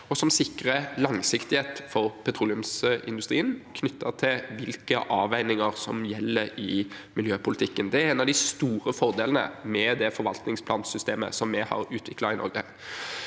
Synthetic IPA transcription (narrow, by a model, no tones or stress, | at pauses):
ɔsɔmsɪkʁəlɑŋsɪkt̪ɪheːt̪fɔɾpʰɛt̪ʰɾuːlɪʉmsɪ̰nd̪ʉst̪ʁḭːənkʰnʏt̪ʰːət̪ʰɪʋɪlkəʔɑːʋæɪnɪŋəʁsɔmjɛlːəɾɪmɪljøːpʰʊlɪt̪ʰɪkːənd̪ɛæɾɛːnɑʋd̪ɪst̪uːɾəfɔʁd̪eːlənə̰mɛd̪ɛfɔɾʋɑlt̪nɪŋspʰlɑːnsʏst̪eːmə̰sɔmːɛhɑ̰ɾʉːt̪ʰʋɪklɑɪnɔ̰ɾɡə